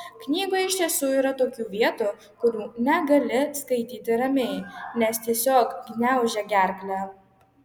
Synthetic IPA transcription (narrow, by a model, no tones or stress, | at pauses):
knʲiːɡoɪʃʲt̪ʲiɛsuːiːɾɐt̪oːkʲuːʋʲiɛt̪u | kʊɾʲuːnʲɛɡɐlʲɪskɐɪt̪ʲiːt̪ʲɪɾɐmʲeɪnʲɛst̪ʲiɛsʲoːkɡʲnʲɛˑʊʒʲɛɡʲæɾklʲæ